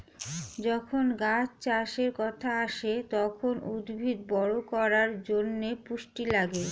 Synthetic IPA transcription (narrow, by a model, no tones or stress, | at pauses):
d͡ʑɔkʰonɡat͡ɕt͡ɕaʃeɾkɔt̪ʰaaʃet̪ɔkʰonud̪bʱid̪bɔɽokɔɾaɾd͡ʑonːepuʃʈilaɡe